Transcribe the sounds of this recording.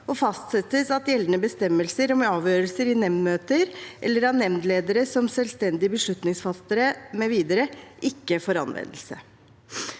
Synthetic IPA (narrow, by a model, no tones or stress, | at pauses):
ɔfɑst̪sɛt̪ːəsɑt̪jɛld̪nəbəst̪ɛmːəlsəɾɔmɑːʋjøːɾəlsəɾɪnɛmnmøːt̪əɾʔɛ̰lːəɾɑnɛmnd̪leːd̪əɾəsɔmsølst̪ɛnd̪ɪəbəʂɭʉt̪nɪŋsfɑst̪əɾəmɛʋiːd̪əɾəʔɪkːəfoːɾɑ̰nʋɛ̰nd̪əl̩sə